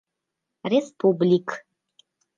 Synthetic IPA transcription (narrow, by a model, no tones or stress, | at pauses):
respʰublʲikʰ